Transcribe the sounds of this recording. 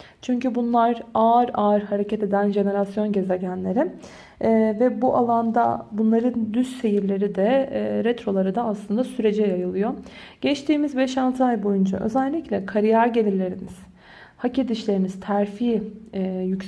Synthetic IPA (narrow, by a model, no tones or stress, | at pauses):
t͡ʃʰyɲcybunlˠaɾaːɾaːɾhaɾecʰɛt̪e̞d̪ænʒe̞ne̞ɾasjo̞nɟe̞ze̞ɟænlʲe̞ɾi | vɛbuʔalˠand̪a̰bunlˠaɾɯnd̪ysse̞jiɾlʲe̞ɾid̪ɛɾɛt̪ɾo̞lˠaɾɯd̪aːslˠɯnd̪asyɾe̞d͡ʒɛjajɯlˠɯjo̞ | ɟ̥ɛt͡ʃt̪ʰiːmizbɛʃalˠt̪ʰɯajbo̞jund͡ʒa̰ʔø̞̰zælʲːiclʲɛkʰaɾijaɾɟe̞lʲiɾlʲe̞ɾiniz̥ | haced̪iʃlʲe̞ɾimiz̥t̪ʰæɾfiː | jyc